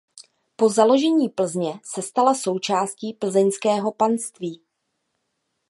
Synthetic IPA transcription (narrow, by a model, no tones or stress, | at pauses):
po̞zalo̞ʒɛɲiːpl̩zɲɛsɛst̪alaso̞wt͡ʃaːsciːpl̩zɛɲskɛːɦo̞panst̪viː